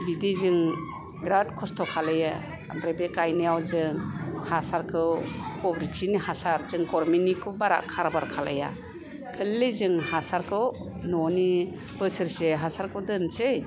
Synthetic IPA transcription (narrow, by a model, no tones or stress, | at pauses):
bidizɯŋ | ɡɾadkʰɔstʰɔkʰalaja | a̰mɾebekajnijawzɯŋhasaɾkʰɯwkɔbɾiksinihasaɾzɯŋkɔɾminikʰubaɾa̰kʰaɾbaɾkʰala̰ja̰ | kʰɯlːezɯŋhasaɾkʰɯw | nɔni | b̥ɯsɯɾseɦasaɾkʰɯwdɯnsɯj